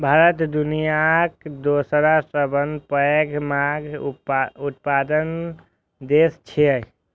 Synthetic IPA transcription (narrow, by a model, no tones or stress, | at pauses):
bʱaɾət̪d̪unijakd̪osəɾasʈɾəbənd̪pəeɡmaɡ | ut̪̚pad̪ən | d̪est͡ʃʰiə